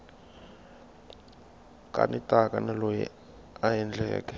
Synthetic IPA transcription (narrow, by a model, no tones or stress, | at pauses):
kʼa̰nitʼakʼanalojḭ | ajɛnd͡ɮʱɛ̰ːkʼɛ